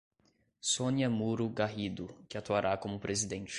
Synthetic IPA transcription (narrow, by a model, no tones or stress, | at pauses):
sõniɐmuɾʊɡaɦid̪ʊkɪat̪uaɾʔakõmʊpɾʔezid̪ẽnt͡ʃɪ̥